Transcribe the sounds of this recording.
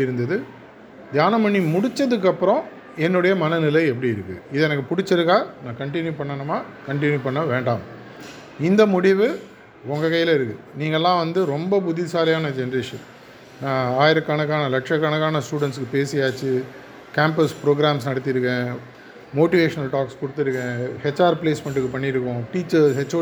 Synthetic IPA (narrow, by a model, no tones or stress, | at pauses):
ɪɾɯnd̪ɐðɯ | d̪jaːnɐmɐɳːimʊɽɪt͡ʃːɐðɯk̬ːɐpːɯɾɔ̃ | ɛnːɯɽɐjɐmɐnɐnɪlɐɛp̬ːɐɽiɪɾɯkːɯɪðɛnɐk̬ːɯpʊɽɪt͡ʃːɪɾɯkːaːnãːkɐɳʈɪnjupɐɳːɐnɐmaːkɐɳʈɪnjupɐɳːɐʋeːɳɖaːm | ɪnd̪ɐmʊɽɪʋɯ | ɔŋɡɐkɐjːɪlɐɪɾɯkːɯniːŋɡɐɛlːãːʋɐnd̪ɯɾɔmbɐpʊðɪsaːlɐjaːnɐd͡ʒɛnɐɾeʂɐ̰n | nãːaːjɪɾɐkːɐnɐk̬ːaːnɐlɐkʂɐkːɐnɐkːaːnɐsʈuːɽɛɳʈskːɯpeːsijaːt͡ʃːɯ | kaːmpɐspɾoːɡɾaːms̬nɐɽɐt̪ːɪɾɯkːẽ | moːʈɪʋeːʂɐnɐlʈaːkskʊɽɯt̪ːɪɾɯkːẽhɛt͡ʃːaːɾpleːsmɛɳʈɯkːɯpɐɳːɪɾɯkːʊ̃ʈiːt͡ʃːɐɾsɦɛt͡ʃːo